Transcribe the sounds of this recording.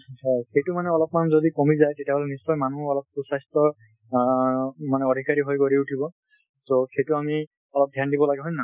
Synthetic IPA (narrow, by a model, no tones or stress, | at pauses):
axejtumanɛɔlɔp̚manzodikomizajtetjaɦɔlɛnisɔjmanuɔlɔp̚kusastɔ | manɛɔdʱikaɹiɦojkoɹiutʰibɔ | toxejtʊami | ɔlɔp̚dʱjandibɔlaɡɛɦɔjna